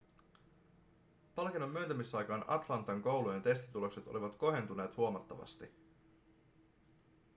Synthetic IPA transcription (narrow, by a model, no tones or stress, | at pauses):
pɑlkenːomːyønt̪æmisɑjkɑːnɑ̰t̪lɑnt̪ːˑɑŋko̞wluje̞nt̪e̞st̪i̥t̪ulo̞kset̪oliʋɑt̪ko̞ɦent̪une̞ːt̪huomɑt̪ːɑʋɑ̰st̪i